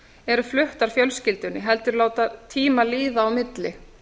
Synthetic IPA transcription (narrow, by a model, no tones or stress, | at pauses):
ɛɾʏflʏht̪aɾ̥fjœlscɪlt̪ʏnːɪɦɛl̪t̪ʏɾloːwt̪at̪ʰiːmaliːðaːwmɪt̪lɪ